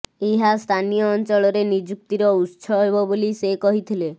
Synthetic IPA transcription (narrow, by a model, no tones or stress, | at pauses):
eɦast̪ʰanijɔːnt͡ʃɔɭɔɾenid͡ʒuk̚t̪iɾɔutːsʰɔɦebɔbolisekɔɦit̪ʰile